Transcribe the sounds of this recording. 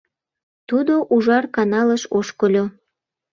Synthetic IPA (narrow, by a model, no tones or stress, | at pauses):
t̪ud̪oʔuʒɑrkɑnɑləʃoʃkolʲo